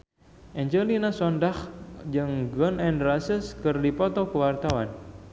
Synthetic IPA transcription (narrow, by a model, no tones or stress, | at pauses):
ʔɛɲd͡ʒəlinasɔndahd͡ʒɨŋɡɔnɛnrasəskɨrdipɔt̪ɔkəwart̪awan